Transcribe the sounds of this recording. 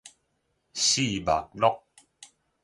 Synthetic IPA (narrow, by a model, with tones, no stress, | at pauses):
ɕi˦˨ba̰˨k̚lɔ˦k̚